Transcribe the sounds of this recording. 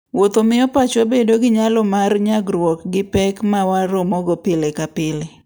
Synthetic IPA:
wot̪omɪɔpat͡ʃobedoɡɪɲalɔmarɲaɡɾwɔkɡɪpɛkmawaɾʊmɔɡɔpɪlekapɪle

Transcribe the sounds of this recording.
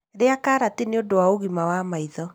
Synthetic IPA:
ɾeakaːɾateneodowaoɣimawamaiðɔ

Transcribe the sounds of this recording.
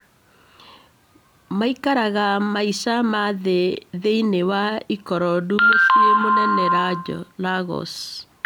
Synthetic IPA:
maikaɾaɣamaisamaðeðeinewaikɔɾɔdumosiɾemonɛnɛɾad͡ʒɔ̰laɣɔ̰s

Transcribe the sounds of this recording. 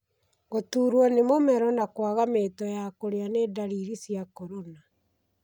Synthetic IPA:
ɣotuːɾwɔnemomɛɾɔnakwaɣametɔjakoɾeaneːdaɾiɾisjakɔɾona

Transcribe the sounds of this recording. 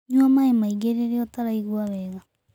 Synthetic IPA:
ɲwamaemaiɡeɾeɾeɔtaɾaiɣwaβɛːɣa

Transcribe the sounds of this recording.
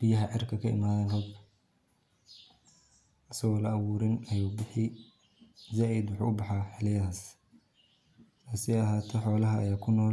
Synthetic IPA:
b̥ɪjɐɦɐʕɪrkʰɐkʰɐɪ̰maːðɐnhɔɡ | ʔɐsɐɣɔːlɐːwuːɾɪnɐjuːbɪħɪ | zaːʔɪd̪wʊħṵːʊbɑħɑːħɪlɪjɐðaːs | tʰaːsɪɐɦaːt̪ʰɛħɔːlɐɦɐ̰ːjaːkʰʊnɔːl

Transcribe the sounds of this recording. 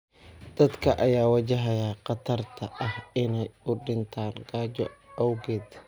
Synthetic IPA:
d̪̥ɐd̪kʰɐʔɐjaːwɐt͡ʃɐɦɐjaqɑt̪ʰɐrt̪ʰɐʔɐhɪnɛjʊɖɪnt̪ʰaːŋɡaːd͡ʒɔɐwɡɛːd̪

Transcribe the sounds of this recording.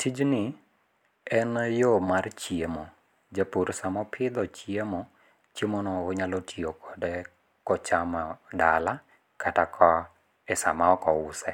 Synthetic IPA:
tʰid͡ʒnɪ | ɛnjomart͡ʃjiemo | d͡ʒapuɾsamɔpʰɪd̪ɔt͡ʃiemɔ | t͡ʃemonɔoɲalotʰiokʰɔ̥dɛ | kɔt͡ʃamadala | kʰatakʰɔ | ɛsa̰maɔkɔʊsɛ

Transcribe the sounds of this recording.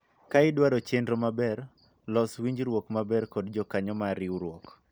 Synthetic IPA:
kaɪdwaɾɔt͡ʃendɾomabɛr | lɔswiɲd͡ʒɾwokmabɛrkɔdd͡ʒɔkaɲɔmaɾɪwɾwɔk

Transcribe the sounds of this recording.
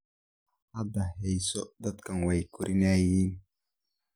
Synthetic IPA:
adahejsod̪at̪kanwajkuɾʔinajin

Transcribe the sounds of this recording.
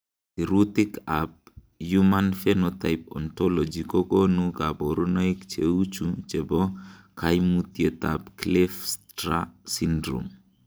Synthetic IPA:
iɾut̪ikap̚ | jumanfɛnɔt̪ajp̚ɔ̰nt̪ɔlɔd͡ʒikɔkɔnukabɔɾunɔjikt͡ʃeut͡ʃut͡ʃɛbɔkajmut̪jet̪apklɛfstɾasindɾṵm

